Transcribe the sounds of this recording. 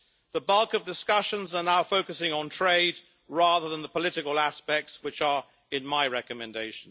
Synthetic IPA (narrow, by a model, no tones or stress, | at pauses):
ðəbʌlˠkəvdɪskʌʃə̃nzənaʊfoʊkəsɪ̃ŋə̃ntʰɹ̥eɪd | ɹɑːðə˞ðə̃nðəpəlɪɾɪkəlˠæspɛk̚tswɨt͡ʃə˞ | ɪ̃nmaɪɹɛkəmɛ̃ndeɪʃn̩